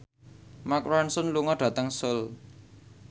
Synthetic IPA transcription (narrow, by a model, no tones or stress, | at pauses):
makwansʊnluŋɔɖ̥ä̤t̪əŋsʊl